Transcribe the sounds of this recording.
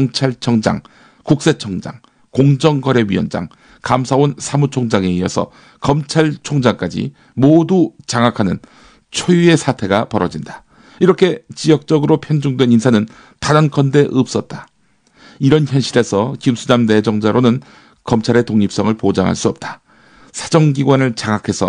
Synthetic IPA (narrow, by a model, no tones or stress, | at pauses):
ŋt͡ɕʰaɭt͡ɕʰʌŋd͡ʑa̰ŋ | kuk̚s͈e̞t͡ɕʰʌŋd͡ʑa̰ŋ | koŋd͡ʑʌŋɡʌɾe̞ɥiʌnd͡ʑa̰ŋ | kamsʰaonsʰamut͡ɕʰoŋd͡ʑaŋe̞iʌsʰʌ̰ | kʌmt͡ɕʰaɭt͡ɕʰoŋd͡ʑaŋk͈ad͡ʑḭ | modut͡ɕaŋɦakʰanɯn | t͡ɕʰojue̞sʰatʰe̞ɡapʌɾʌd͡ʑinda | iɾʌkʰe̞t͡ɕijʌk̚t͡ɕ͈ʌɡɯɾopʰjʌnd͡ʑuŋdwe̞ninsʰanɯn | tanʌnkʰʌnde̞ʔɯp̚s͈ʌt̚t͈ḁ | iɾʌnçjʌnɕ͈ʰiɾe̞sʰʌkimsʰunamne̞d͡ʑʌŋd͡ʑaɾonɯn | kʌmt͡ɕʰaɾe̞toŋɲip̚s͈ʌŋɯɭpod͡ʑa̰ŋɦa̰ɭs͈uʌp̚t͈ḁ | sʰḁd͡ʑʌŋɡiɡwanɯɭt͡ɕaŋakʰe̞sʰʌ̰